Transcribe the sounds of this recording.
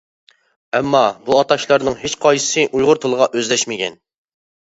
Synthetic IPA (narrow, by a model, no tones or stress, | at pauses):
ɛmːɑbuɑt̪ɑʃlˠɑɾnɨŋɦet͡ʃqʰɑjɨ̥sɨʔujʁʊɾt̪ʰolˠəʁɑʔøzlɛʃmɪkʲɛ̰n